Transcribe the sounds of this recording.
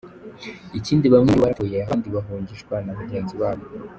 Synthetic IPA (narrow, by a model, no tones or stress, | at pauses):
iciːndiβamŋeβaɾaojeaɦaːndiβaɦoːɲɟiʃɡwanaβaɟe̞ːnziβaːβo